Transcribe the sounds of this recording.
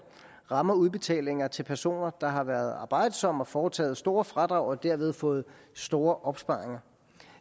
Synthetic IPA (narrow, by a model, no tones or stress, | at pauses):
ʁɑ̈mɐuð̞ˠb̥e̝t͡sʰɛ̰ːle̝ŋɐt͡sʰe̝lpʰæɐso̝̰ːnɐd̥ɑ̈ɦɑ̈ʋæːɐð̞ˠɑ̈ːb̥ɑ̈ɪ̰d̥əsɒ̽m̰ɒ̽fɒːt͡sʰɛ̰ːð̩ˠsd̥o̝ːɐfʁɑ̈d̥ʁɑ̈ʊ̰ɒ̽d̥æɐʋe̝ð̞ˠfɔ̽ːð̞̩ˠ | sd̥o̝ːɐʔɒ̽b̥sb̥ɑ̈ːeŋɐ